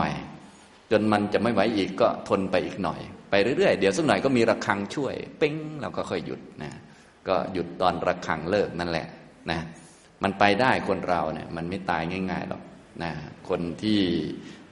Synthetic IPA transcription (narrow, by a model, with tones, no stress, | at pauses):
j | t͡ɕo˧nma˧nt͡ɕa˨˩ʔma˥˩jwa˦˥jʔiː˨˩kːɔː˥˩t̪ʰo˧npa˧jʔiː˨˩k̚nɔ̰˨˩jpa˧jɾɯː˦ɾɯ˥˩əjdi˨˦wsa˥˩nɔ˨˩jkɔː˥˩miː˧ɾa˧kʰa˧ŋt͡ɕʰu˥˩əjpe˥˩ŋlɛː˦˧˩wkʰɔ˥˩kʰɔ˥˩jːṵ˨˩t̪̚na˦˥ | kɔː˥˩ju˨˩t̪ːɔː˧nɾa˧kʰa̰˧ŋlɤː˥˩k̚na˧nlɛ̰˨˩ʔ | na˦˥ | ma˧npa˧jdaː˥˩jkʰo˧nɾa˧wnḭ˦˥˩ɐma˧nma˥˩jt̪aː˧jŋaː˥˩ŋaː˥˩jlɔ̰˨˩k̚ | na˦˥kʰːo˧nt̪ʰiː˥˩